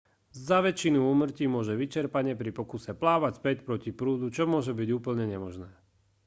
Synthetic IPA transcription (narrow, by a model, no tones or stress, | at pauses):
zaʋɛt͡ʃinuuːmr̩cimʊɔʒɛʋit͡ʃɛɾpaɲɛpɾipɔkusɛplaːʋacspɛcpɾɔcipɾuːd̪ut͡ʃɔmʊɔʒɛbiɟuːpl̩ɲɛɲɛmɔʒnɛː